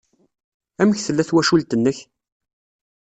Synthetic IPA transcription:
æməçθəlːæθwæʃult̪ənːəç

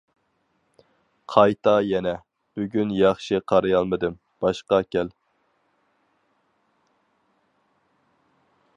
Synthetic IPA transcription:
qʰɑjt̪ɑjɛnɛ | b̥yɡʲynjɑχʃɪqʰɑɾɨjɑlˠmɨd̪ɨm | b̥ɑʃqɑkʲʰɛl

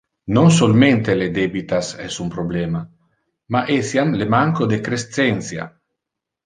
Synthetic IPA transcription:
nons̬olment̪eled̪ebit̪asɛsumpɾoblɛma | maʔesjamlemaŋkod̪ekɾest̪sɛnsja̰

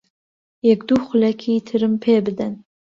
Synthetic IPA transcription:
jɛɡd̪uχʷʊlakʲʰiːtʰɨɾɨmpʰeːbɨd̪ɐn

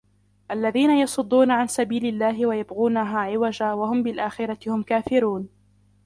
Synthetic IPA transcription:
ʔalːaðiːnajɑsˤʊd̪ˤːuːnaʕansabiːlɪlːaːɦɪwajabɣuːnaɦaːʕɪwad͡ʒaːwahʊmbɪlʔaːxɪɾˤɑt̪ɪhʊmkaːfɪɾuːn

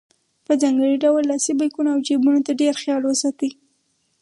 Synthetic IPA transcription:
pəzɑŋɡəɽiɖawəlːɑsibakunaawd͡ʒebunot̪aɖeɾxjɑlwəsɑt̪i

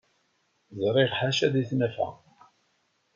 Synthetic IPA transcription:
zɾˤɪʁħaʃæðiθnæfæ̰

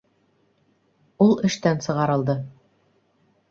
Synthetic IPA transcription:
ulˠɘ̆ʃt̪ænsɤ̆ʁɑɾɤ̆lˠd̪ɤ

